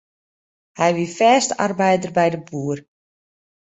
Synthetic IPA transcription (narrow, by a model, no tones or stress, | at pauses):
hɛjʋifɛːsta̰rbɛjdərbɛjdəbuːər